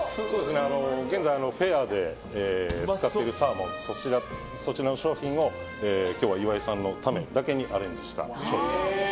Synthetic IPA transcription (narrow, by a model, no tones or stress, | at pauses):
sosoːd̪esɨneano̞ɡenzajano̞ɸe̞aːd̪e̞ | ɨ̥kat̪eɾɯsaːmo̞soiɾa | so̞t͡ɕiɾano̞ɕo̞ːçĩɰ̃o̞ | eːkʲo̞ːβaiβaisãnːo̞t̪ame̞d̪ake̞ɲ̟iʔaɾẽ̞ɲ̟d͡ʑiɕi̥t̪a̰ɕo̞ːçḭ̃